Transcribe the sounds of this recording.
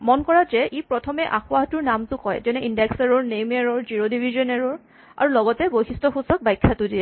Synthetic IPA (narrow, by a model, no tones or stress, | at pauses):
mɔnkɔɹazɛʔipɹɔtʰɔmɛʔaxʊaɦtʊɹnamtʊkɔjzɛnɛʔindɛksaɹɔɹnemaɹɔɹziɹodibʱizɔnaɹɔɹ | a̰ɹulɔɡɔtɛbojxistɔxusɔk̚bajkʰːatʊdiɛ